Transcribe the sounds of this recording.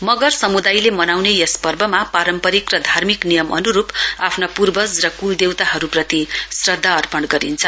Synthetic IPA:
mʌɡʌrsʌmud̪ajlemʌnawnejʌspʌrbʱʌmapaɾʌmpʌɾikrʌd̪ʱarmiknijʌmʔʌ̰nuɾupapʰnapurbʌsrʌkuld̪ewt̪aɦʌɾuprʌt̪isrʌd̪ʱːaʌrpʌɳɡʌɾint͡sʰʌ

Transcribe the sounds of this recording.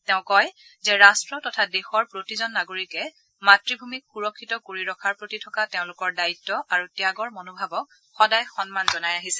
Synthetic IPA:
teʊ̃kɔj | zɛɹastɹɔtɔtʰadexɔɹpɹotizɔnːaɡoɹikɛ | matɹibʱumikxuɹɔkʰːitɔkoɹiɹɔkʰaɹpɹotitʰɔkateʊ̃lʊkɔɹdaitːɔʔaɹutiaɡɔɹmonobʱabɔk̚ | xɔdajxɔnmanzɔnajaɦisɛ̥

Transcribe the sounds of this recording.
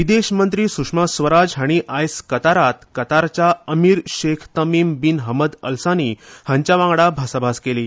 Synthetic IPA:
ʋid̪eɕmənt̪ɾiːsukʂmasʋəɾad͡zɦaɽ̃iʔajskət̪aɾat̪kət̪aɾt͡ɕaəmiːɾɕekʰt̪əmiːmbinɦəməd̪ə̰lsanihãɲt͡ɕjaʋãŋɡɽabʱasabʱaskeliː

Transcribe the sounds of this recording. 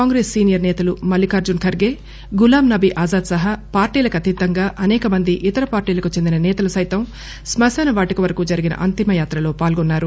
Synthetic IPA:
kaːŋɡɾeːsːiːnijɐɾnɛːt̪ɐlumɐlːikaːɾd͡ʒunkʰɐɾɡeː | ɡulaːmnɐbiʔaːzaːd̪sɐɦɐpaːɾʈiːlɐkɐt̪id̪ːɐŋɡaːʔɐnɛːkɐmɐnd̪iʔit̪ɐɾɐpaːɾʈiːlɐkut͡ʃend̪inɐnɛːt̪ɐlusɐjt̪ɐm | smɐsɛnɐʋaːʈikiʋɐɾɐkuːd͡ʒɐɾiɡinɐ̰ʔɐnt̪imɐjaːt̪ɾɐlo̞ːpaːlɡɔnːaːɾu

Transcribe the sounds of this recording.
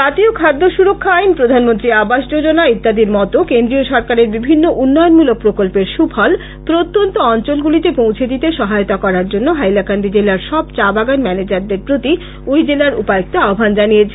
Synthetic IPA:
at̪iokʰad̪ːoʃuɾokʰːaajnpɾod̪ʱanmont̪ɾiabaʃd͡ʑod͡ʑonait̪ːad̪iɾmɔt̪okend̪ɾioʃɔɾkaɾeɾbibʱinːoʔunːɔjonmulok̚pɾokolpeɾʃupʰɔl | pɾot̪ːont̪oɔnt͡ɕolɡulit̪epõwt͡ɕʰed̪it̪eʃɔɦajot̪akɔɾaɾd͡ʑonːoɦajlakand̪ʱid͡ʑelaɾʃɔb̚t͡ɕabaɡanmɛned͡ʑaɾd̪eɾpɾot̪i | ojd͡ʑelaɾṵpaek̚t̪oaobʱand͡ʑanijet͡ɕʰe

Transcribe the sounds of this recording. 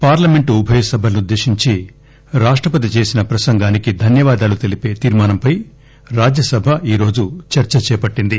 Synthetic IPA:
paːɾlɐme̞ɳʈuubʱɐjɐsɐbʱɐlɐnud̪ːe̞ːʂiɲt͡ʃi | ɾaːʂʈɾɐpɐt̪it͡ʃe̞ːsinɐpɾɐsɐŋɡaːnikid̪ʱɐnjɐʋaːd̪aːlut̪e̞lipeːt̪iːɾmaːnɐmpɐj | ɾaːd͡ʒjɐsɐbʱɐiːɾo̞ːd͡ʒut͡ʃɐɾt͡ʃɐt͡ʃɛːpɐʈːind̪i

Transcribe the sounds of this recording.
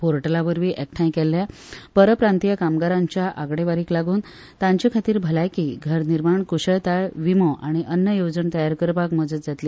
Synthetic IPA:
poɾʈəlaʋəɾʋiːʔɛk̚ʈʰãjkɛlːja | pəɾəpɾant̪ijakamɡaɾaɲt͡ɕjaʔaɡɽeʋaɾiːklaɡuːn | t̪ãɲt͡ɕikʰat̪iːɾbʱəlajkiːɡʱəɾniɾmaɳkuɕəɭt̪aɭʋimoʔaɽ̃iʔənːəjod͡zəɳt̪əjaɾkəɾpakməd͡zət̪̚d͡zat̪li

